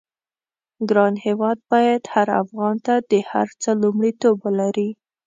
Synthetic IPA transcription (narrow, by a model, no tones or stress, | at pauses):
ɡɾɑnhewɑd̪̚bɑjad̪haɾa̰fɣɑnt̪ad̪əha̰ɾt͡səlumɽit̪obwəlaɾi